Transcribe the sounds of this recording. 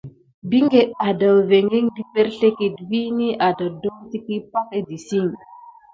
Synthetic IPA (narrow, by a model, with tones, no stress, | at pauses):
bi˦ŋɡe˨ɗa˨da˨wve˨ŋe˦ŋdi˦pe˦ɾɬe˦ki˨tvi˦ni˦ʔa˨da˨do˦ŋti˦ki˦pa˦ke˦di˨si˦ŋ